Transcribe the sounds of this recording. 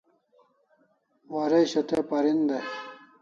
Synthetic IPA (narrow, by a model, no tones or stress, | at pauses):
wɐɾeɕɐt̪epɐɾind̪e